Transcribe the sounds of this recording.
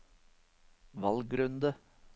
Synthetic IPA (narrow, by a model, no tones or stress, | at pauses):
ʋɑlɡɾʉnd̪ə